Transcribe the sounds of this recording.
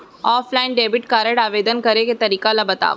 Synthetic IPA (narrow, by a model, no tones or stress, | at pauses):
ɔːflaːɪnɖeːbɪʈkaːɾəɽaːʋeːd̪ənkɐɾeket̪ɐɾiːkalɐbɐt̪a̰ː